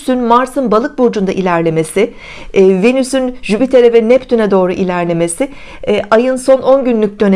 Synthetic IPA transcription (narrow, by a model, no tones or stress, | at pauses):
synmaɾsɯnbalˠɯk̚buɾd͡ʒund̪aʔilʲæɾlʲe̞me̞sɪ | venysynʒybit̪ʰe̞ɾɛvɛnɛpt̪ʰynɛd̪o̞ːɾuʔilʲæɾlʲe̞me̞sɪ | ʔajɯnso̞no̞nɟynlʲyc̚d̪ø̞n